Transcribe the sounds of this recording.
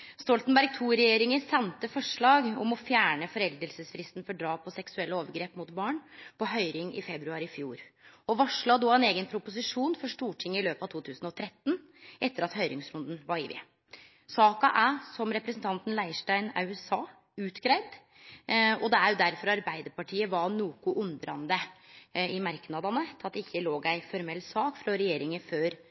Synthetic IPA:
st̪ɔlt̪nbæɾɡ̚t̪ʰuːɾɛjeːɾɪŋəsɛnt̪əfɔʂɭɑːɡɔ̰mɔfjæːɳəfɔɾɛld̪əlsəsfɾɪst̪nfɔɖɾɑːpʰɔsɛksʉɛlːəoːʋəɾɡɾeːpmʊt̪bɑːɳpʰɔɦœʏɾɪŋɪ̰fɛbɾʉɑɾɪfjuːɾɔʋɑʂɭɑd̪ɔːɛneːɡənpʰɾʊpʊs̬ɪʂuːnfɔʂʈuːʈʰɪŋːɪløːpɑʋt̪ʰuːt̪ʰʉːsnɔt̪ʰɾɛt̪ːn̩ | ʔɛt̪ːəɾɑt̪hœʏɾɪŋsɾʊnd̪n̩ʋɑɾɪ̰ːʋɪ̰ | sɑːkɑʔæsɔmɾɛpɾəsnt̪ʰɑnt̪n̩læɪʂʈæɪnɑ̰ʉɛsɑː | ʉːt̪ɡɾæɪd̪ | ɔd̪ɛæɾjʊd̪æɾfɔɾɑɾbæɪd̪əɾpɑʈʰiːəʋɑnuːkʊʔʉnd̪ɾɑnd̪ə | ɪmɑɾknɑd̪ɑnət̪ʰɑt̪ːɪçːəloːɡæɪfɔɾmɛlːsɑːkfɾɔɾɛjeːɾɪŋəføːɾ

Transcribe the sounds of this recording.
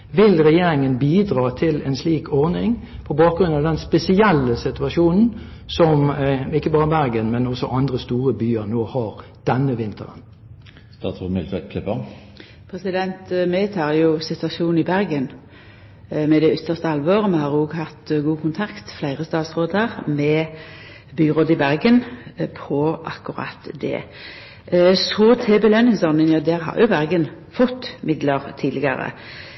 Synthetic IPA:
ʋɪlʁɛjeːɾɪŋənbiːd̪ʁɑːt̪ʰɪlɛnsliːkʰɔʁnɪŋ | pʰɔbɑːk̚ɡɾʁʉnɑʋd̪ɛnspɛsɪɛlːəsɪt̪ʉɑʂuːnn̩ | sɔmɪkːəbɑːʁəbæɾɡənmɛnɔsɔʔɑnd̪ʁəst̪uːʁəbyːəʁnoːhɑʁ | d̪̥ɛnːəʋɪnt̪ʰəʁə̰n | st̪ɑ̰ːt̪sɔmɪlt̪ʰɛt̪kʰɛpə | pʰɾɛsɪd̪ɛnt̪meːt̪ʰɑːjʊsɪt̪ʋɑʃuːn̩ɪbæɾɡən | mɛd̪ɛʏt̪ːəʁst̪əɑlʋoːʁəmɛhɑːʁoɡɦɑt̪ɡuːkʰʊnt̪ʰɑkt̪flæɪʁəst̪ɑːt̪sʁoːd̪əʁmɛ | byːʁoːd̪əɪbæʁɡənpʰɔʔɑ̰kːʉʁɑ̰t̪d̪ɛ̰ː | sɔːt̪ʰɛbəlœnːɪŋsɔnɪŋjɑd̪æʁɦɑ̰ːʁjʊbæʁɡən | fɔt̪ːmɪd̪ləʁt̪ʰiːd̪ɪɡɑɾə̰

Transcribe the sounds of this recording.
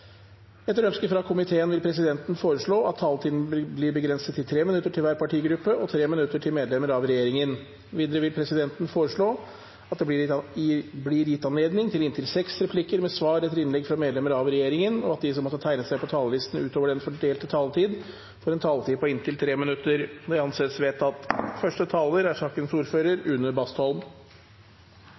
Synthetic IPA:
ɛt̪ːəɾœnskəfɾɑkʰʊmɪt̪ʰeːənʋɪlpʰɾɛs̬ɪd̪ɛnt̪nfoːɾəʂɭoːɑt̪ʰːɑːlt̪ʰiːd̪n̩blɪɾbəɡɾɛnsət̪ʰːɪlt̪ʰɾeːmɪnʉt̪ːəʈʰɪlʋæːɾpʰɑʈʰiːɡɾʉpːəɔt̪ʰɾeːmɪnʉt̪ːəʈʰɪlmeːd̪lɛməɾɑʋɾɛjeːɾɪŋən | ʋiːd̪əɾəʋɪlpʰɾɛsɪd̪ɛnt̪ənfoːɾəʂɭoː | ɑt̪̚d̪ɛb̪ɪ | blɪɾjɪt̪ːɑnleːd̪nɪŋt̪ʰɪlɪnt̪ʰɪlsɛksɾɛpʰlɪkəɾmɛsʋɑːɾɛt̪ːəɾɪnlɛɡfɾɑmeːd̪lɛməɾɑʋɾɛjeːɾɪŋənɔɑt̪̚d̪ɪsɔmɔt̪ːət̪ʰæɪnəsæɪpɔt̪ʰɑːləlɪst̪ən̩ʉːt̪oːʋəɖɛnfɔɖeːlt̪ət̪ʰɑːlt̪ʰiːd̪ | fɔɾɛnt̪ʰɑːlət̪ʰiːd̪pɔɪnt̪ʰɪlt̪ʰɾeːmɪnʉt̪ːəɾd̪æɑnseːt̪sʋeːt̪ɑt̪fœʂʈət̪ʰɑːləɾæʂɑːkənsuːɾføːɾəɾʉnːəbɑst̪ɔlm

